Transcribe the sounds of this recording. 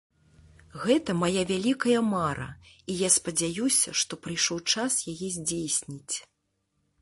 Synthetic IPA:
ɣɛt̪ɐmajavʲalʲikɐjɐmaɾɐ̰ijaspɐd͡zʲajusʲɐʂt̪ɔpɾɨjʂɔwt͡ʂasjajɛzʲd͡zʲejsʲnʲit͡sʲ

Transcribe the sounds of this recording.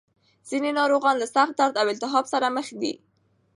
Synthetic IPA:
z̥inenɑɾoɣɑnlasaxt̪̚d̪aɾd̪awɪlt̪ɪɦɑbsaɾaməxd̪ḭ

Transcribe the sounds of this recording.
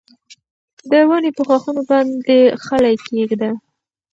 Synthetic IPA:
d̪əwanepəxwɑxunobɑnd̪exalajkeɡd̪a

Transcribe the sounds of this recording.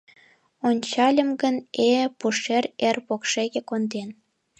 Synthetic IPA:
onʲt͡ɕɑlʲə̆mɡənepuʃererpokʃeɣekond̪en

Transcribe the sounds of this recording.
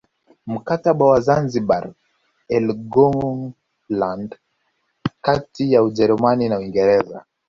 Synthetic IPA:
m̩kataɓawazanziɓa̰ɾ | ɛlɡɔ | land | katijauʄɛɾumaninauwiŋɡɛɾɛza̰

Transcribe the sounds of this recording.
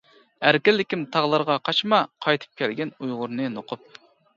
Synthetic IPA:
æɾkʲɪlːɪkʲimt̪ʰɑʁlˠɑɾʁɑqʰɑʃmɑqʰɑjt̪ʰɨ̥p̚kʲʰɛlɡʲɛnujʁʊɾnɨnoqʰʊp̚

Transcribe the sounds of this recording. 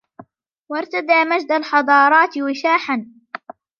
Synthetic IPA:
wɑɾˤt̪ad̪aːmad͡ʒd̪alħɑd̪ˤɑːɾˤɑːt̪ɪwɪʃaːħan

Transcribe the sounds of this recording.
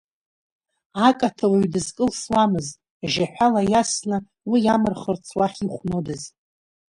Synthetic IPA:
akʼatʰawaɥdɨzkʼɨlswamɨztʼ | ʒaħʷᶣalajasnɨ | wijamɨrχərt͡sʰwaχʲiχʷnodɨz

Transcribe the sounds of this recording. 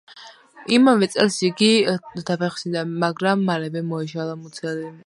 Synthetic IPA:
imavɛt̪sʼɛlsiɡid̪apʰɛχsinamaɡɾamːalɛvɛmɔiʃalˠamut̪sʰɛli

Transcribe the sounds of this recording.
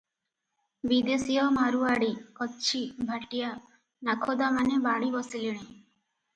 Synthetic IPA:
bid̪esijɔmaɾuaɽikɔtːʃʰibʱaʈija | nakʰod̪amanebaɽ̃ibɔsiliɽ̃i

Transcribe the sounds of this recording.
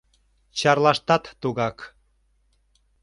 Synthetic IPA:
t͡ɕɑrlɑʃt̪ɑt̪ːuɣɑk

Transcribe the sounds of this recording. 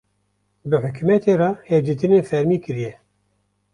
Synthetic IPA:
bɨħʊkʰumɛt̪ʰeːrɑːhevd̪iːt̪ɨnenfɛɾmiːkɨɾijɛ

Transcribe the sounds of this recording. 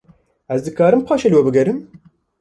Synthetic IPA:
ɛzd̪ɨkaːɾɨmpʰɑːʃelwɛbɨɡɛɾɨm

